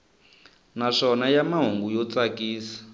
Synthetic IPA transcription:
naʂɔnajamaɦuŋɡujɔt͡sakiːsḁ

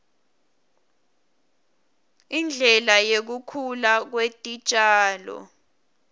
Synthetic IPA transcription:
ind͡ɮʱɛlajek̬ukʰulak̬wetʼit͡ʃʼaːlɔ̰

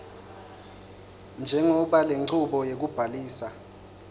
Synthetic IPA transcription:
nd͡ʒʱɛŋɔɓaleǀuɓɔjek̬ub̥ʱaliːsa

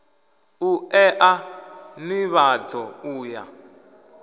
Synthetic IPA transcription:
uɛʔaniβad͡zɔuːja̰

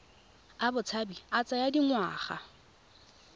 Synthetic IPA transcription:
abʊt͡sʰabiat͡sʼajadiŋwa̰ːχa̰

